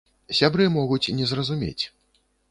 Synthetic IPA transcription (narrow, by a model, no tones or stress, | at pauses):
sʲabɾɨmɔɣut͡sʲnʲɛzrɐzumʲḛt͡sʲ